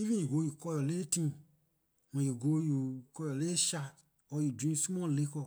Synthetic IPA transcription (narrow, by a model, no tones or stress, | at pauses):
ivĩjiɡojukɔjɔletĩ | mɔ̃jeɡojukɔjɔleeʃa | ɔjudĩsumɔ̃lekɔ